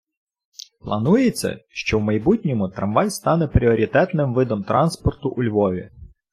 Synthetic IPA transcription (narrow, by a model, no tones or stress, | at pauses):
plˠɐnujet͡sʲːɐ̰ʃt͡ʃɔwmɐjbutʲnʲɔmʊt̪ɾɐmʋɑjst̪ɑnɛpɾʲiɔɾʲit̪ɛt̪nɪmʋɪd̪ɔmt̪ɾɑnspɔrt̪ʊʔʊlʲʋɔʋʲḭ